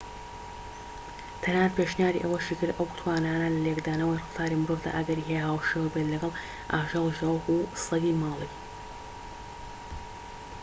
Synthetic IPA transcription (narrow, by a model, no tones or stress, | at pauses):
t̪ʰɐnaːnt̪̚pʰeʃnjaːɾḭʔɐwɐʃikɨɾd̪ɐwku̥t̪ʰwaːnaːnɐlɐlekd̪aːnɐwajrɨft̪ʰaːɾimʊɾoːvd̪a̰ːʔɐɡɐɾiɦejɦaːwʃewɐbet̪lɐɡɐlˠ | ʔaːʒɑːlˠʒɐwxusɐɡiːmɑːlˠi